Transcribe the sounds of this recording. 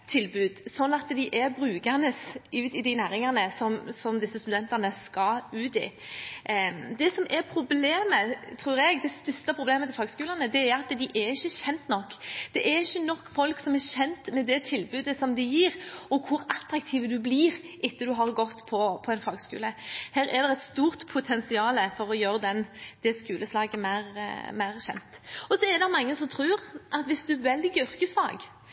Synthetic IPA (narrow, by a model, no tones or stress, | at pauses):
t̪ʰɪlbʉːd̪sɔnːɑt̪d̪ɪʔɛɾbɾʉːkənəsʉːt̪ɪd̪ɪnæːɾɪŋɑnəsɔmsɔmd̪ɪsːəst̪ʉd̪ɛnt̪ɑnəskɑlʉːt̪ɪ̰ | d̪ɛsɔmʔɛɾpʰɾʊbleːmət̪ʰɾuːɾɛɡd̪ɛst̪œst̪əpʰɾʊbleːmət̪ʰɪlfɑːɡskʉːlənəd̪ɛæɾɑt̪d̪ɪʔɛɾɪçːəɕɛnt̪nɔkːd̪̥ɛʔæɾɪçːənɔkːfɔlksɔmɛɾɕɛnt̪mɛd̪ɛt̪ʰɪlbʉːd̪əsɔmd̪ɪjiːɾɔkʰʊɾɑt̪ɾɑk̚t̪ʰiːʋəd̪ʉbliːɾʔɪt̪ːəd̪ʉɦɑɾɡɔt̪ːpʰɔpʰɔɛnfɑːɡskʉ̰ːləhæːɾɛd̪ɛɛɪt̪st̪uːɾt̪pʰʊt̪ʰɛnsɪɑːləfɔɾɔjøːɾəd̪ɛnd̪̥ɛskʉːləslɑːɡəmæɪɾmæɪɾɕɛ̰nt̪ɔsɔɛɾd̪ɑmɑŋːəsɔmt̪ʰɾʉːɾʔɑt̪ʋɪsd̪ʉʋɛld̪ɪɡʏɾkəsfɑ̰ːɡ